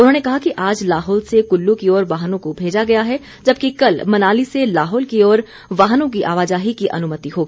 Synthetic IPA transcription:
ʊnɦõːnekɐɦakiʔaːd͡ʒlaːɦɔːlsekʊlːũkiɔːɾʋaːɦnõkobʱeːd͡ʒaɡɐjaɦɛ | d͡ʒɐb̚kikɐlmɐnaːliselaːɦɔːlkiɔːɾ | ʋaːɦnõk̬iʔa̰ːʋaːd͡ʒaːɦikiʔɐ̰nʊmət̪iɦoːɡi

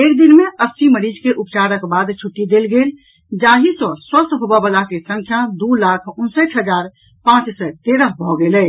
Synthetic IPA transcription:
ekd̪inmeʔəsːiməɾid͡ʒkeʔupt͡ʃaɾəkbad̪t͡ʃʰuʈːid̪elɡel | d͡ʒaɦisɔ̃swəst̪ʰɦobabəlakesə̃ŋkʰjad̪ulakʰunsət͡ʃɦəd͡ʒaɾ | pãt͡ʃsɛt̪eɾəɦbʱɔɡelɛ

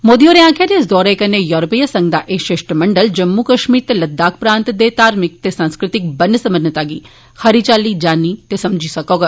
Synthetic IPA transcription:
moːd̪ioːɾeãːkʰaɾeɪs̬d̪ɔːɾekɐnejɔɾopijəsɐ̃ŋɡd̪aʔeːʃeʃʈəmɐɳɖəld͡ʒɐmːukɐʃmiːɾt̪elɐd̪ːaːk̚ʰpɾãːnt̪d̪et̪aːɾmɪk̚t̪esãːnskɾɪt̪ɪk̚bɐnːəsɐmənət̪aːɡiː | xɐɾiːt͡ʃaːlid͡ʒaːnit̪esɐmd͡ʒʱiːsɐkoɡ

